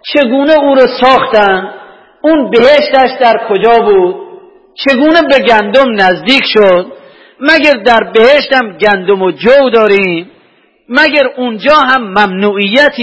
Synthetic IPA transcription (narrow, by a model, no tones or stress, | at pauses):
t͡ʃʰe̞ɡuːneuːɾosɒːxt̪ænd̪ | unbeheʃt̪æʃd̪æɾkʰod͡ʒɒːbuːd̪̥̚ | t͡ʃʰeɡuːnebeɡænd̪omnæzd̪iːkʰʃod̪̥ | mæɡæɾd̪æɾbeheʃt̪æmɡænd̪omod͡ʒowd̪ɒːɾiːmː | æɡæɾund͡ʒɒːɦæmːæmnuːʔijːæt̪ʰː